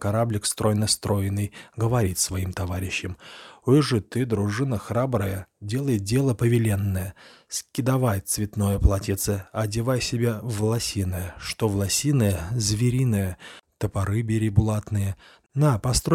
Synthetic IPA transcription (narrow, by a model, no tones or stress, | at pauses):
kɐɾablʲɪkst̪ɾo̞jnəst̪ɾo̞jɪnːɨjɡəvɐɾʲit̪ʲsvɐimt̪ɐvaɾʲɪɕːɪmɨʐɨt̪ɨd̪ɾʊʐɨnəxɾabɾəjədʲe̞lˠəjɪt̪̚dʲe̞lˠəpəvʲɪlʲe̞nːəjəskʲɪd̪ɐvajt̪svʲɪt̪no̞jəplˠatʲɪt̪səɐdʲɪvajsʲɪbʲevlˠɐsʲinəjəʂt̪ovlˠɐsʲinəjəzvʲɪɾʲinɨjət̪əpɐɾɨbʲɪɾʲɪbʊlˠat̪nɨjə | napɐst̪ɾo